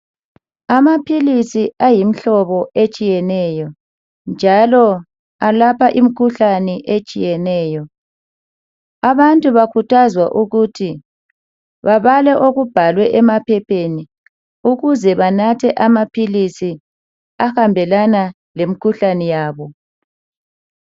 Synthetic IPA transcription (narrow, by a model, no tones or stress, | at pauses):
amapʰilisiajim̩ɬɔβɔet͡ʃʼijɛnɛjɔ | nd͡ʒʱalɔ | alapʰaʔimikʰuɬanɛʔet͡ʃʼijɛnɛːjɔ | aβantʼuβakʰutʰazwaʔuɣutʰi | βaβalɛʔoɣub̥ʱalwɛʔɛmapʰɛpʰeni | uɣuzɛβanatʰɛʔamapʰilisi | axambʱɛlana | lemikʰuɬanɛjaːβɔ